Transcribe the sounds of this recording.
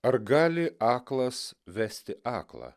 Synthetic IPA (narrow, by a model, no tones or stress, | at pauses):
ɐɾɡɑːlʲɪʔɑːklˠɐsʋʲæːsʲt̪ʲɪʔɑːklˠɑ̰ː